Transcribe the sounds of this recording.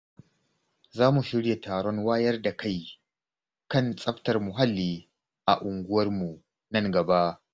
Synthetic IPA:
zaː˦mu˨ʃɪ˦ɽje˨taː˨ɽɔ˦ŋwaː˦jɐ˦rda˨kʰa˦˨j | kɐ˦˨nsʼɐ˦ɸtɐ˨rmʊ˨ɦa˦lːiː˨ | ʔa˨ʔʊ˨ŋɡʷʊ˦wɐ˦rmu˨ | nɐ˦˨ŋɡɐ˨ba˦ʔ

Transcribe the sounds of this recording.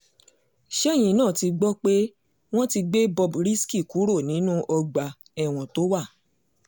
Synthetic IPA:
ʃɛ˦˨j̃ĩ˨˦nãː˦˨ti˧ɡ͡bɔ˦k͡pe˦ | w̃ɔ̃˦ti˧ɡ͡be˦bɔ˧bɾi˦ski˦˨ku˨˦ɾo˦˨nĩ˨˦nũ˦ʔɔ˧ɡ͡ba˨ | ɛ˦˨w̃ɔ̃˨to˦wa˦˨

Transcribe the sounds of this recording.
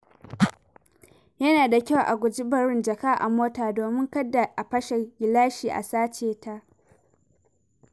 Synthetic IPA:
jɐ˦naː˨da˨kʲa˦wʔa˨ɡʷʊ˨d͡ʒɪ˦bɐ˨ɾɪ˦nd͡ʒɐ˨kaː˦ʔa̰˨moː˦taː˨doː˨mɪ˦ŋkɐ˦dːa˨ʔa˨ɸɐ˦ʃɛ˨ɡʲɪ˨laː˦ʃiː˨ʔa̰˨saː˦t͡ʃeː˨ta˦ʔ

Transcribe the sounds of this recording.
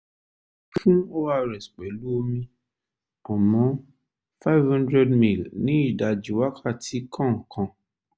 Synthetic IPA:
fũ˦o˦wa˦ɾɛ˨sk͡pɛ˨lu˦o˧mĩ˧ | ɔ̃˨mɔ̃˨˦ | fa˦i˦vhã˦ndɾɛ˦dmĩ˦˨lnĩ˨˦i˦˨da˨d͡ʒi˨˦wa˦kʰa˦˨tʰi˨˦kʰã˦˨ŋ̩˨kʰã˧

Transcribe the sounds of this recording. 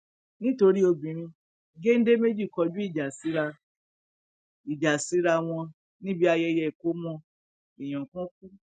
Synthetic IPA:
nĩ˦to˧ɾi˦o˧bĩ˨ɾ̃ĩ˧ | ɡe˦n̩˦de˦me˦d͡ʒi˦˨kɔ˧d͡ʒu˦i˦˨d͡ʒa˨si˨˦ɾa˧ | i˨d͡ʒa˨si˨˦ɾa˧w̃ɔ̃˧ | nĩ˦bi˦a˧jɛ˧jɛ˨ko˦mɔ̃˧ | i˨j̃ɔ̃˨kɔ̃˦ku˦

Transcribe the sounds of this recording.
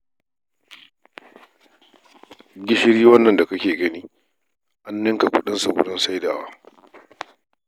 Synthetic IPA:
ɡʲɪ˦ʃɪ˦ɽiː˦wɐ˦nːɐ˨nda˨ka˦kʲeː˨ɡɐ˦niː˦ | ʔa˦nːɪ˦ŋka˨kʷʊ̰˦ɗɪ˦nsa˨ɡʷʊ̰˦dʊ˦nsa˦jdaː˨wa˦

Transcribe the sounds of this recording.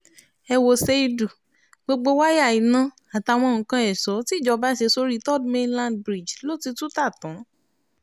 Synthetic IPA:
ɛ˧wo˧se˧i˧du˨ | ɡ͡bo˧ɡ͡bo˧wa˦ja˦˨i˨nã˨˧ | a˨ta˧w̃ɔ̃˧˨ŋ̩̃˨kã˧ɛ˨sɔ˨˦ti˦˨d͡ʒɔ˧ba˦ʃe˧so˧ɾi˦tɔ˦˨dmẽ˧nlã˦˨dbɾi˨d͡ʒlo˦ti˧tu˦ta˦˨tã˨˦

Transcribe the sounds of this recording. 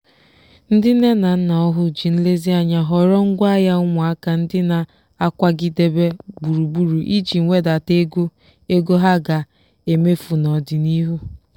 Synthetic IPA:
n̩˦dɪ˦ne˦na˨n̩˦na˨ɔ˦ɦʊ˦d͡ʒi˨n̩˦le˦zi˦a˦ɲa˨ɦɔ˨ɾɔ˦ŋ̩˦ɡʷa˦ja˦ʊ˦ŋʷa˨a˦ka˨n̩˦dɪ˦na˨ | a˦kʷa˦ɡi˦de˦be˦bu˨ɾu˨bu˨ɾu˨ʔi˦d͡ʒi˨ŋ̩˦ŋʷe˦da˨te˦ɡo˦ | e˦ɡo˦ɦa˦ɡa˨ | e˨me˦fu˨nɔ˨dɪ˨ni˦ɦu˦

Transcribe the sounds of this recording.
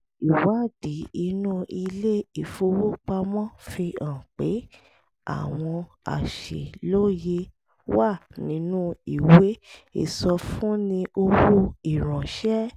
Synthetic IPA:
i˨wa˨˦˨d̥i˨˦i˧˦nũ˦i˧le˦i˨fo˧wo˦k͡pa˧mɔ̃˦fi˧ã˨k͡pe˨˦ | a̰˦˨w̃ɔ̃˧ | a̰˨ʃḛ˨lo˦˨je˧ | wa˦˨nĩ˨˦nũ˦i˦˨we˦e˦˨sɔ˧fũ˦nĩ˧ʔo˧wu˧i˨ɾ̃ɔ̃˨ʃɛ˦

